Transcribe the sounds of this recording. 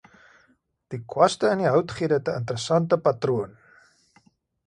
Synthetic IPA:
d̥ikʰwɐstəəndiɦœwtχiədəətəəntəɾəsɐntəpɐtruən

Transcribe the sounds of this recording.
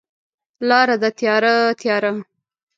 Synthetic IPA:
lɑɾad̪at̪jɑɾat̪jɑɾa

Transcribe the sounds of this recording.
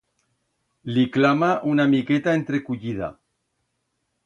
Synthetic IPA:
liklamaʔunamike̞t̪aent̪ɾe̞kuʎiða̰

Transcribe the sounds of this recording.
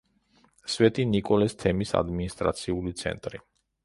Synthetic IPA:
svɛt̪ʼinikʼɔlɛst̪ʰɛmisa̰d̪minist̪ʼɾa̰t̪sʰiulit̪sʰɛ̰nt̪ʼɾi

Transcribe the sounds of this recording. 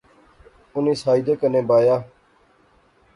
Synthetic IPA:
ʊnĩːsaːid̪eːkənẽːbaːjaː

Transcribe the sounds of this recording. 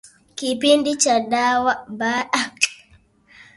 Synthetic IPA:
kipindit͡ʃadawabaɗa

